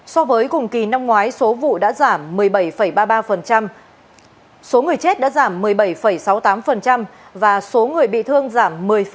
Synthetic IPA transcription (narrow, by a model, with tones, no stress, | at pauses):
sɔ˧vəː˨˦jkʊ˨˩ŋ͡mki˨˩na˧mŋwaː˨˦jso˨˦vṵ˧˨ɗa̰ː˧˥zaː˧˩mːɨ˨˩əjɓə˧˩jfə˧˩jɓaː˧ɓaː˧fə˨˩nt͡ɕa˧m | so˨˦ŋɨ˨˩əjt͡ɕe˦˥t̚ɗa̰ː˧˥zaː˧˩mːɨ˨˩əjɓə˧˩jfə˧˩jsa˨˦wt̪aː˨˦mfə˨˩nt͡ɕa˧mvaː˨˩so˨˦ŋɨ˨˩əjɓḭ˧˨t̪ʰɨ˧əŋzaː˧˩mːɨ˨˩əj